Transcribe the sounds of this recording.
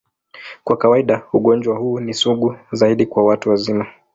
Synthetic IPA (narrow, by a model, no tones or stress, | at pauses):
kwakawaiɗauɠɔnd͡ʒwahuːnisuɠuzaiɗikwawatuwazima